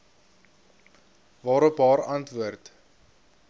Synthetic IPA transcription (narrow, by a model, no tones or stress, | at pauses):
vɑːɾəpɑːɾɐntvuərt